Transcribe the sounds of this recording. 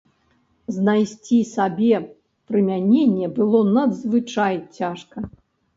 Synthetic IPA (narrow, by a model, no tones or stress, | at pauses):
znajsʲt͡sʲisabʲɛ | pɾɨmʲanʲenʲːɛbɨlˠɔnɐd̪zvɨt͡ʂajt͡sʲaʂkɐ